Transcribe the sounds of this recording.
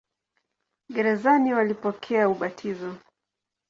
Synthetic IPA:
ɠɛɾɛzaniwalipɔkʰɛauɓatʰizɔ

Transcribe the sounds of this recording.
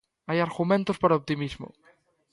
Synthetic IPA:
ajaɾɣumẽnt̪ospaɾaop̚t̪imizmo̰

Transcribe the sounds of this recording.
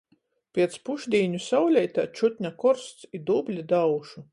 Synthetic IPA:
pʲiɛt̪spuʒd̪ʲiːɲusawlʲɛjt̪at͡ʃut̪ʲɲʲakɔɾst̪sid̪ublʲid̪awʃu

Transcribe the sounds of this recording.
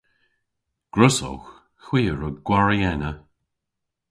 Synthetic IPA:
ɡ̥ɹʊsɔ̰x | xwiːəɹəɡɡ̥waɹiɛnə

